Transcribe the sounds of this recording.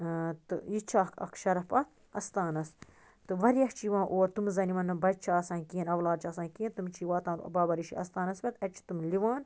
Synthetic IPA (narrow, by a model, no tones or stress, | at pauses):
t̪ɨ̰jit͡ʃʰaːkɐ̰kʃɐɾɐpɐt̪ | ɐst̪aːnɐs | t̪ɨʋɐɾijɐht͡ʃiʋãːʔoːɾt̪umzɐnimɐnɐbɐt͡ʃʰaːsãːnkiːnɐʋlaːd̪̚t͡ʃʰaːsaːnkient̪umt͡ʃʰiːʋaːt̪ãːbaːbɐɾiʃḭɐ̰st̪aːnɐsbʲɐt̪ɐt͡ʃʰi̥t̪umliʋaːn